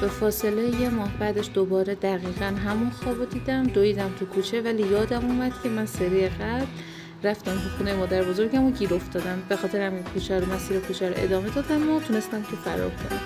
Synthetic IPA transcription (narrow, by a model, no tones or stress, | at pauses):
b̥efɒːse̞lejeje̞mɒːhbæːd̪eʃd̪obɒːɾed̪æɣiːɣænɦæmunxɒːbod̪iːd̪æmd̪oiːd̪æmt̪ʰukʰuːt͡ʃʰe̞vælijɒːd̪æmuːmæd̪̥cʲʰe̞mænseɾijeɣæbl | ɾæft̪æmt̪ʰuxunejemɒːd̪æɾbo̞zo̞ɾɟæmoɟiːɾo̞ft̪ɒːd̪æmbe̞xɒːt̪ʰeɾæmekʰːuːt͡ʃʰæɾomæsiːɾekʰuːt͡ʃʰæɾo̰ʔe̞̰d̪ɒːme̞d̪ɒːd̪æmot̪ʰune̞st̪æmt̪ʰufæɾɒ̰ːɾkʰonæm